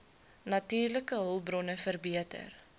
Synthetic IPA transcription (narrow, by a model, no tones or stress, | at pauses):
nɐtiːrləkəɦəlˠbrɔnəfərbiətə̰r